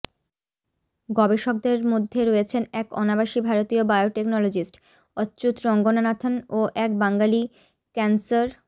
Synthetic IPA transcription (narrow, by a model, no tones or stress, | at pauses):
ɡɔbeʃok̚d̪eɾmod̪ʱːeɾoet͡ɕʰenɛkɔ̰nabaʃibʱaɾot̪iobajoʈeknɔlod͡ʑisʈ | ɔtːɕut̪ɾɔŋɡonanat̪ʰonoʔɛk̚baŋɡali | kɛnsaɾ